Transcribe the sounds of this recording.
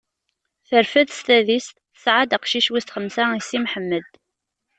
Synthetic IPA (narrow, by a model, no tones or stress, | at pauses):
θəɾfæðst̪æðist̪θəsʕad̪əqʃiʃwist̪χəmsaisimħəmːəd̪